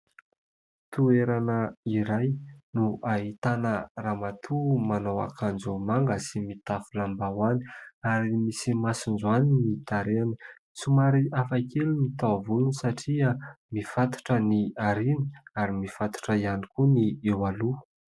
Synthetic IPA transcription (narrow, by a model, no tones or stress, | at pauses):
t̪ueɾanəiɾajnuʔaɦit̪anəramat̪ʰumanowa̰kʰand͡zumaŋɡəsimit̪afilambawani̥aɾimisimasind͡zuanimit̪aɾeni | t͡sumaɾiʔafakelumit̪avulunisaʈ͡ʂia | mifat̪u̥ʈ͡ʂəniaɾini̥aɾimifat̪u̥ʈ͡ʂəianikuniewalu